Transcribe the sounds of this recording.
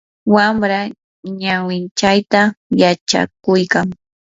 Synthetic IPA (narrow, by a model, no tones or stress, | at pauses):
wamɾa | ɲawɪnt͡ʃajt̪ajat͡ʃa̰kʊjkaŋ